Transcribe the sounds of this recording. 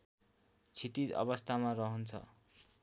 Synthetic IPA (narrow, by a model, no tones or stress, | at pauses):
t͡sʰit̪id͡zʌ̰bʌst̪ʰamarʌɦʌnt͡sʰʌ̰